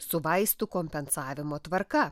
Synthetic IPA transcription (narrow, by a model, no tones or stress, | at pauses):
sʊʋɐɪst̪ʊkoːmʲpʲɛnsɑːʋʲɪmoːt̪ʋɐɾkɐ